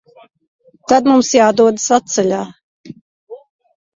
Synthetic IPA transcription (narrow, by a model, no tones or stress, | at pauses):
t̪ad̪mumsjaːd̪uɔd̪asat̪sɛlʲaː